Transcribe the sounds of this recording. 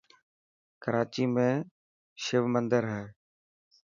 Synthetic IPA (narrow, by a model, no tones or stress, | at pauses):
kəɾaːt͡ʃiːmẽː | ʃɪʋmənd̪əɾɦɛː